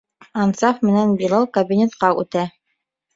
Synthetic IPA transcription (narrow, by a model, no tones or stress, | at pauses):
ɑnsɑfmɘ̆nænbilˠɑlˠkɐbʲinʲet̪qɑʔʉt̪æ